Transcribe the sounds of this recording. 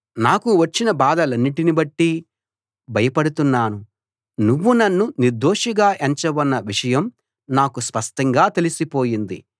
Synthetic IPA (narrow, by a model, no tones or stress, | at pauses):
naːkuʋɐt͡ʃːinɐbaːd̪ɐlɐnːiʈinibɐʈːi | bʱɐjɐpɐɽut̪unːaːnu | nuʋːunɐnːuniɾd̪oːʂiɡaːʔeɲt͡ʃɐʋɐnːɐʋiʂɐjɐm | naːkuspɐʂʈɐŋɡaːt̪e̞lisipo̞ːjind̪ḭ